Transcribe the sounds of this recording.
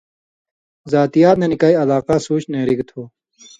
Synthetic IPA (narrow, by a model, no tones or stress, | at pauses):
zaːt̪ijaːt̪nenikaːiɐlaːqasuːɕneːɾikt̪ʰoː